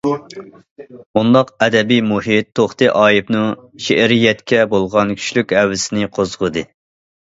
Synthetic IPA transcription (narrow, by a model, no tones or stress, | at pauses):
und̪ɑqɛd̪ɛbijmuhit̪ʰːoχt̪ɨʔɑːjipnɨŋʃeʔɾijɛt̪kʲɛbolˠʁɑnkʲʰy̥ʃlykʲhɛwːɪsɪnɪqʰozʁɨd̪ɨ